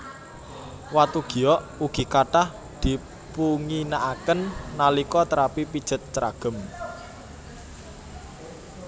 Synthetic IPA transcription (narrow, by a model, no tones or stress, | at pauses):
wat̪uɡ̥i̤ɔʔuɡ̥i̤kaʈah | d̪̥i̤ | puŋinaʔakənːalikɔt̪əɾapipid̥ʒ̥ə̤t̪̚t͡ʃɾa̰ɡ̥ə̤m